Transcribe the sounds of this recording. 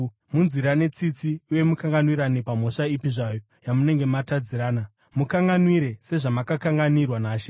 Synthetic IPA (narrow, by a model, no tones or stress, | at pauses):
munziɾane̞t͡sit͡siuje̞mukaŋɡanwiɾanepam̤o̞ʂaipiʐajo̞ | jamune̞ŋɡe̞matad͡ziɾaːna | mukaŋɡanwiɾe̞se̞ʐamakakaŋɡanirwanaːʃe̥